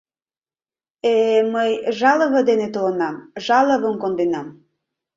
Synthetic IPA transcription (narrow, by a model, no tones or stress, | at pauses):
eməjʒɑlə̆βə̆d̪enet̪olə̆nɑmʒɑləβə̆mkond̪enɑm